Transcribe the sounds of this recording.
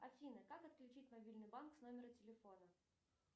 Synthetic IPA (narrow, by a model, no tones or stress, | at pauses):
ɐfʲinəkakɐt̪klʲʊt͡ɕit̚ʲmɐbʲilʲnɨjbanksnomʲɪɾətʲɪlʲɪfo̞nə